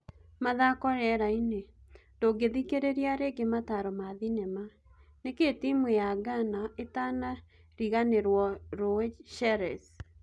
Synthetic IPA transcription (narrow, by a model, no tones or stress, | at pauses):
maðakɔɾɛɾainendoɡeðikeɾeɾiaɾeɡemataɾɔmaðinɛma | neketimwejaɡanaetana | ɾiɣaneɾwɔɾoeʃɛɾɛs